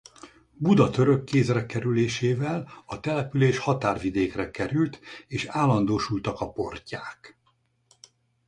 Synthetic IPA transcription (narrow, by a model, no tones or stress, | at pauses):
bud̪ɒt̪ø̞ɾø̞kːeːzrɛkɛɾyleːʃeːvɛlɒt̪ɛlɛpyleːʃhɒt̪aːrvid̪eːkrɛkɛɾylt̪eːʃaːlːɒnd̪oːʃult̪ɒkɒpo̞rcaːk